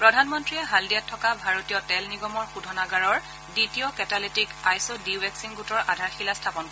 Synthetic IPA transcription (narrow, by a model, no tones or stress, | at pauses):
pɹɔdʱanmɔntɹiɛɦaldiatʰːɔkabʱaɹotijɔtɛlniɡɔmɔɹxudʱɔnaɡaɹɔɹ | ditiɔkɛtalitikajsodiwɛksinɡutɔɹʔadʱaɹxilastʰapɔnkɔ